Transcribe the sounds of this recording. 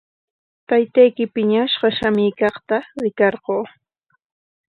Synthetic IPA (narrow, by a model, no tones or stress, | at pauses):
t̪ajt̪ajkɪpɪɲaʃɢɑʃamɪːkɑχt̪aɾɪkɑɾɢoː